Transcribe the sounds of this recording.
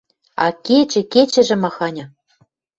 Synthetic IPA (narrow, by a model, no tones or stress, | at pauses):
ɑ̰ket͡ɕɘ̆ket͡ɕɘ̆ʒɘ̆mɑxɑnʲɤ̆